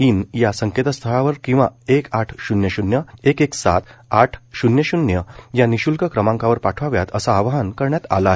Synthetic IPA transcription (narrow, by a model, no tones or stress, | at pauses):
injasəŋket̪əst̪ʰəɭaʋəɾkĩw̃ʋa̰ekaʈʰɕunjəɕunjəekeksa̰t̪aʈʰɕunjəɕunjəjaniɕulkəkɾəmãŋkaʋəɾpaʈʰʋaʋjat̪əsaːʋaɦənkəɾɳjat̪a̰la